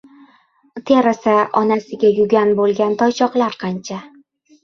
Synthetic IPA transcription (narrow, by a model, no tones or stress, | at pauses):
t̪ʰeɾasaʔɒnasɪɡʲajʊɡʲanbolˠɡʲant̪ʰɒjt͡ʃʰɒqlˠaɾqʰɑnt͡ʃʰa